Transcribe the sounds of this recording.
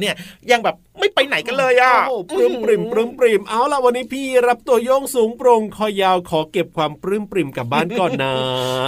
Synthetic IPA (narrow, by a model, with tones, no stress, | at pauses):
ni˥˩ɐja˧˩ŋbɛː˨˩pma˥˩jpa˧jna˨˩˦jka˧nlɤː˧jʔa˧˩˧pɾɯː˥˩mpɾi˨˩mpɾɯ˧˥˩mpɾi˨˩mʔa˧˩wla˨˩wa˧nːiː˦˥pʰiː˥˩ɾa˦˥p̚t̪u˧ɐjoː˥˩ŋsuː˩˦ŋpɾo˧ŋkʰɔː˧˩jjaː˧wkʰɔː˩˦ke˨˩p̚kʰwaː˧mpɾɯː˥˩mpɾi˨˩mka˨˩p̚baː˥˩nkɔː˨˩nːaː˦˥